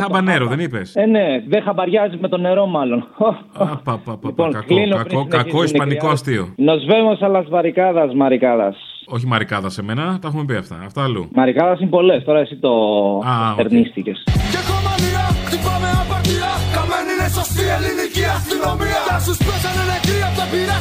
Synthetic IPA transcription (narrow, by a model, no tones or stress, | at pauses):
ɐbɐneɾoðenipeseneðexɐbɐɾʝɐzime̞t̪o̞ne̞ɾo̞mɐlo̞nopapliponklinopɾineɐkoisnipɐnikoɐst̪io̰nozvemosɐlɐzvɐɾikɐðɐzmɐɾikɐðɐ̰s | oçimɐɾikɐðɐseme̞nɐt̪ɐexumepiɐft̪ɐ̰ːft̪ɐːlṵmɐɾikɐðɐsinpo̞le̞st̪o̞ɾɐesit̪o | eɾnist̪ice̞scekomɐliɐt̪ipɐmeɐpɐt̪iɐkɐmeninesost̪ieliniciɐst̪inomit̪ɐsuspesɐnenekɾiɐpt̪ɐpiɾɐ